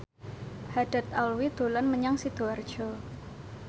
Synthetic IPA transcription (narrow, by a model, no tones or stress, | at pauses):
had̥a̤t̪alwid̪̥o̤lanməɲaŋsid̪̥oard̥ʒ̥ɔ